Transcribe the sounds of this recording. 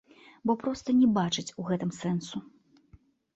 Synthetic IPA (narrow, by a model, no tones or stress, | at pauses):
bɔpɾɔst̪ɐnʲɛbat͡ʂɨt͡sʲuɣɛt̪ɨmsɛnsu